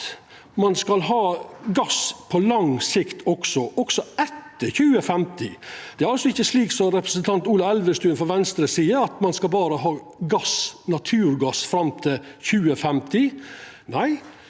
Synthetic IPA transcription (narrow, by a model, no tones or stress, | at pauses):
mɑnskɑlɦɑːɡɑspʰɔlɑŋsɪkt̪ʰɔksɔʔɔksɔɛt̪ːəçʉːəfɛmt̪ɪd̪̥ɛæɾɑlsɔɪçːəsliːksɔmɾɛpɾə̥sənt̪ʰɑnt̪uːlɑɛld̪əst̪ʉːnfɔɾʋɛnst̪ɾəsiːəɾɑt̪mɑnskɑlbɑːɾəɦɑː | ɡɑsnɑt̪ʰʉːɾɡɑsfɾɑmt̪ʰɪlçʉːəfɛmt̪ʰɪ | næɪ